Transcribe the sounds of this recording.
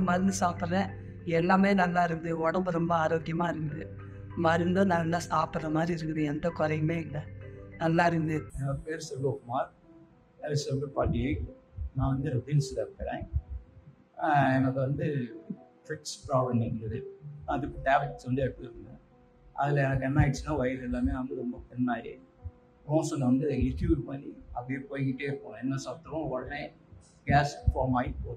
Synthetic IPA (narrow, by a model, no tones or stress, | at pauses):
mɐɾɯnd̪ɯsaːpɯɾɐɾɛ̃ː | ɛlːaːmeːnɐlːaːɪɾɯnd̪ɯɔɽɐmbɯɾɔmbɐaːɾoːkɪjɐmaːɪɾɯk̪ːd̪ɯ | mɐɪɾɯnd̪õnɐlːaːsaːpʈɯrɐmaːd̪ɾiɪɾɯkːɯðɯ̃ɛnd̪ɐkɔɾɐɐmeːɪlːɐnɐlːaːɪɾɯd̪ɯɐpeːɾsɐɡokmaːɾ | ɛɾsɐmɯpaːʈːiɐnãːʋɐnd̪ɯɾɪʈilslɐkɐɾḛ̃ː | ɛnɐkːɯʋɐnd̪ɯʈɾɪkspɾaːʋɐnɪnɐðɯɐðɯkːɯʈaːblɪʈsʋɐnd̪ɯɛʈpːɾɯnd̪ẽ | ɐ̰ðɪlɐɛnɐkːɛnːaːɪʈsnãːʋɐjɪɾɪlːaːmeːʋɐnd̪ɯɾɔmbɐpɛnːaːɪɾḛ | kõːsɔnːɐʋɐnd̪ɯɪʈiʋpɐnːiɐpːɐɽijeːpoːjkɪʈːeɪɾɯkːõːɛnːɐsaːt̪ːɐʋõʋɔɽɐne | ɡaːsfoːmaːjɪʈpoː